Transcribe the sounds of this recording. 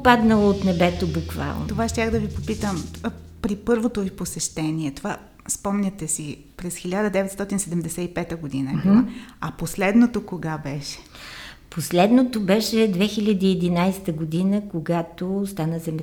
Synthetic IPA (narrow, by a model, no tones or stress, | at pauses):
pad̪nəlˠoot̪nɛbɛt̪obukva̰lˠnot̪ovaʃt̪ʲaxd̪ɐvipopit̪əmpɾipɤɾvot̪oviposɛʃt̪ɛniɛt̪ova | spɔmnʲɐt̪ɛsi | pɾɛsxilʲad̪əd̪ɛvɛt̪st̪ɔt̪insɛd̪ɛmd̪ɛsɛipɛt̪əɡod̪inəɐposlɛd̪not̪okoɡabɛʃɛ̥ | poslɛd̪not̪obɛʃɛd̪vɛxilʲəd̪iːɛd̪inajsɛ̥t̪əɡod̪inəkoɡat̪ost̪anəzɛmɛ